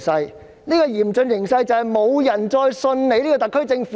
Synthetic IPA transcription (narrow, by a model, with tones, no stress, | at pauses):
sɐ˧j | niː˥kɔː˧jiː˨˩mt͡ʃɵ˧njɪ˨˩ŋsɐ˧jt͡sɐ˨˧whɐ˨jmo˨˧wjɐ˨˩nt͡sɔː˧jsɵ˧nne˨˧jnliː˥kɔː˧t̪ɐ˨kʰːɵ˥t͡sɪ˧ŋf